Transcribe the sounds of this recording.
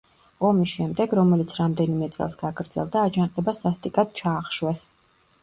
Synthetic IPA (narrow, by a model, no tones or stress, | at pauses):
ɔmisʃɛmd̪ɛɡɾɔmɛlit̪sʰɾamd̪ɛnimɛt̪sʼɛ̰lˠsɡaɡɾd̪z̥ɛ̰lˠd̪aːd͡ʒanqʼɛbasast̪ʼikʼat̪̚t͡ʃʰaːχʃwɛs